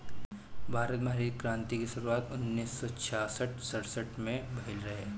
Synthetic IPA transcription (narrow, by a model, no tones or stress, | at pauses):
bʱaːɾət̪meɦɾiːd̪̚kɾãːnt̪ikiʃʊɾuaːt̪ʊnːiːsːɔt͡ʃʰaːsəʈsɐɽsəʈmẽbʱɐɦɪlɾɐɦeː